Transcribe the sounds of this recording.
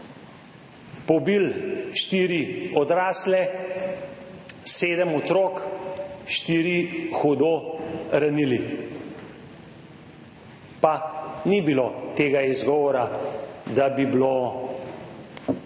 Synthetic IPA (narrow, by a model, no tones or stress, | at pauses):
pɔbilʃt̪iːɾiɔd̪ɾaːslɛ | seːd̪əmɔt̪ɾoːk | ʃt̪iːɾixɔd̪oɾanili | panibilot̪eːɡaizɡɔːʋɔɾad̪abiblo